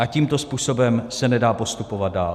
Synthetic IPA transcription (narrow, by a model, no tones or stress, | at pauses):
ʔaciːmt̪o̞spuːso̞bɛmsɛnɛdaːpo̞st̪upovat̪̚daːl